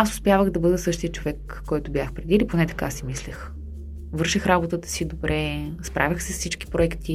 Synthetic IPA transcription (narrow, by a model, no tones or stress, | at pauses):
asʊspjavəxd̪ɐbɤd̪əsɤʃt̪iət͡ʃovɛkːɔjt̪ʊbjaxpɾɛd̪iliponɛt̪ɐ̥kasimislʲix | vɤɾʃixɾabot̪ət̪ə̥sid̪obɾɛspɾʔa̰vʲixsɛssit͡ʃki̥pɾoɛkt̪ʰi